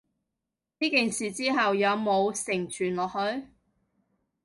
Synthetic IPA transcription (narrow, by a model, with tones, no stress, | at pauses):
niː˥kiː˨nsiː˨t͡siː˥ɦɐ˨wjɐ˨˧wmo˨˧wsɪ˨˩ŋt͡ʃʰyː˨˩nlɔː˨k̚hɵ˨˧ɥ